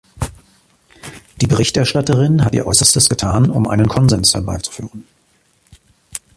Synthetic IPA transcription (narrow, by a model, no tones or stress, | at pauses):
d̥iːbəʁɪçtɛɐʃtatəʁɪnɦatʔḭːɐʔɔʏsɐstəsɡ̥ətʰaːnʊ̰mʔa̰ɪnənkʰɔnzɛnshɛɐba̰ɪt͡su̥fy̰ːʁən